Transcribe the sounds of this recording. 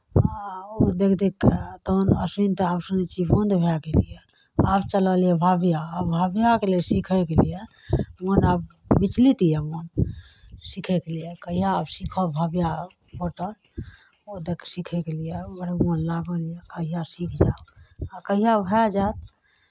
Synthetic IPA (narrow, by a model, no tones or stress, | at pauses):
od̪ekʰd̪ekt̪onəsint̪əabsunɛt͡ʃʰibond̪bʱakelije | abt͡ʃələlijɛbʱabjaːbʱabjakelesikʰɛkelijemonab | bit͡ʃlit̪ijɛmon | sikʰɛkelijekəɦijabsikʰɔbʱabja | boʈəɾ | od̪ekʰsikʰɛkelijeəɽmonlaɡəlijekəɦijasikʰd͡ʒaakəɦijabʱɛd͡ʒat̪